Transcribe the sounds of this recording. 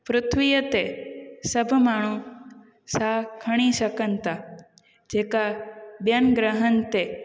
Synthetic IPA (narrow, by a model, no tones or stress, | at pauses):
pɾʊt̪ʰʋijət̪esəbʱmaɳ̃ũ | sakʰəɽ̃iʃəkənt̪a | d͡ʒekabjənɡɾəɦənt̪e